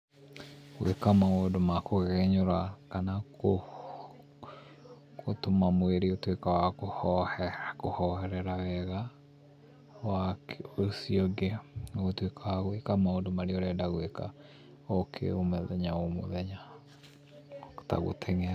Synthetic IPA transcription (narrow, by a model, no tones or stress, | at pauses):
ɣwʔḛkamaodomakoɣɛɲoɾakanao | kotomamweɾeotwekawakohɔhɛkohɔhɛɾɛɾawɛɣa | wakeosiɔɡeotwekawaɣwekamaodomaɾeɔɾɛdaɣweka̰ | ɔkʰḛomɛðɛɲaomo̰ðɛɲa | ta̰ɣo̰tʰɛŋ